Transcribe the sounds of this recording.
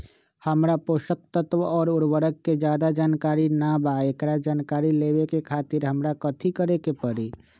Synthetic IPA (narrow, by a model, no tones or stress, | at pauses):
həmɾapoʃək̚t̪ət̪ʋɔːɾʊɾʋəɾəkːed͡ʒaːd̪ad͡ʒaːnkaːɾinabaekɾad͡ʒaːnkaːɾilebekekʰaːt̪iɾɦəmɾakət̪ʰikəɾekepəɾi